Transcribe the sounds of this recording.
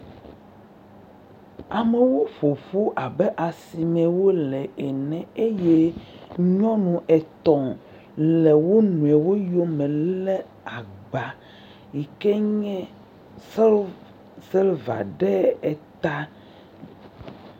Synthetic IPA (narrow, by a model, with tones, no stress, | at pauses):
a˨mɛ˨wo˦ɸo˨fu˦ʔa˨bɛ˦ʔa˨si˨mɛ̃˨wo˦lɛ˨ʔɛ˨nɛ̃˨e˦je˦ɲɔ̃˦nũ˨ʔɛ˨t̪ɔ̃˨ | lɛ˨wo˦nũ˨ɛ˨wo˦jo˦mɛ̃˨lɛ˦ | a˨ɡ͡ba˨ | i˨kɛ˦ɲɛ̃˦ | sɛ˦lva̰˨ɖɛ˦ɛ˨t̪a˦